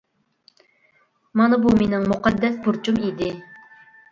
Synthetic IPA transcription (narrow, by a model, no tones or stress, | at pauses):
mɑnɑbumenɪŋmuqɑd̪ːɛspʰuɾt͡ʃʰumid̪ɪ